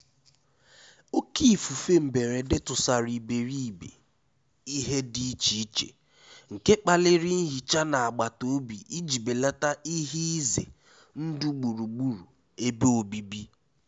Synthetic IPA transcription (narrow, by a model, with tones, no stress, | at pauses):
o˦ki˦˨fu˨fe˦m̩˨be˨ɾe˨dɪ˦tʊ˨sa˨ɾi˨be˨ɾi˦i˨bḛ˨ | i˦ɦe˦di˦t͡ʃi˦t͡ʃḛ˨ | ŋ̩˨ke˦k͡pa˨lɪ˦ɾɪ˦n̩˦ɦi˨t͡ʃa˦na˨a˨ɡ͡ba˨to˦bi˨ʔi˦d͡ʒi˨be˨la˦ta˦i˦ɦi˦i˦zḛ˨ | n̩˦du˦ɡ͡bu˨ɾu˨ɡ͡bu˦ɾu˨ | e˦be˦o˨bi˦bi˦